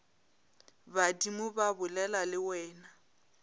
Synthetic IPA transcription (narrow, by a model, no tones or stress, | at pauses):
badimʊbabʊlɛlalɪwɛːna